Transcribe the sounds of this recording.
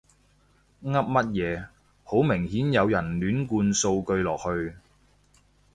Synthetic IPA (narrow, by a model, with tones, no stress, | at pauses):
ŋɐ˥p̚mɐ˥t̚jɛː˨˧ | ho˨˥wmɪ˨˩ŋhiː˨˥njɐ˨˧wjɐ˨˩nlyː˨˥nkuː˧nso˧wkɵ˧ɥlɔː˨˩k̚hɵ˧ɥ